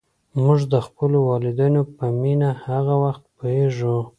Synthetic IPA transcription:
muʐd̪əxpəlowɑlɪd̪anopəminahaɣawaxt̪̚poheʒu

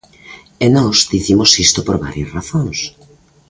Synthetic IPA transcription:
enɔzd̪iθimosist̪opoɾβa̰ɾjasraθõŋs

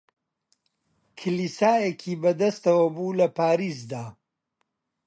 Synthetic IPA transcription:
kʰɨlisaːjekʰiːbɐd̪ɐst̪ɐwɐbuːlɐpaːɾiːs̬d̪aː

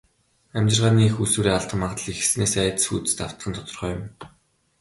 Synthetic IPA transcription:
æmʲt͡ɕɪ̆rʁaːniːexusuːɾiːaɮt̪ɢə̆mːaʁt̪ə̆ɮixsneːsæːt̪sxuːt̪ɘ̥̆st̪aw̥t̪ə̆nt̪ʰɔt̪ɞ̆rχœːjʊ̆m

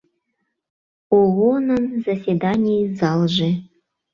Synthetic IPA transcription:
oɣonənzasʲed̪anʲijzɑlˠʒe

